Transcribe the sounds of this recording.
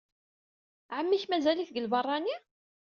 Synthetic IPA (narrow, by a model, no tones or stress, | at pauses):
ʕəmːiçmæzæliθɡəlbɑrˤːɑni